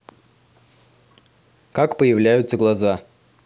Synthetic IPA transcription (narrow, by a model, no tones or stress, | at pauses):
kakpəjɪvlʲæjʊt̪səɡlˠaza